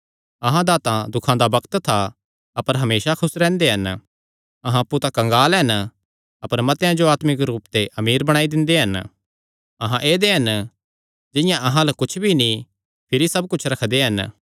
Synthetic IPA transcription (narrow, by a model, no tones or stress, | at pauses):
ɐɦãd̪aːt̪ãd̪ʊkʰãd̪abɐkt̪t̪ʰa | ɐpəɾɦɐmeːsakʰʊsɾɛ̃ːnd̪eɦɐn | ɐɦãɐpːut̪ãkɐ̃ŋɡaːlɦɐn | ɐpəɾmɐt̪jãd͡ʒoaːt̪mɪk̬ɾuːpt̪eʔɐmiːɾbɐɽ̃aːid̪ɪ̃nd̪eɦɐn | ɐɦãʔeːd̪eɦɐn | d͡ʒɪ̃jãʔɐɦãlɐkʊt͡ʃʰbʱinĩ | pʰɪɾisɐb̚kʊt͡ʃʰɾɐkʰd̪eɦɐn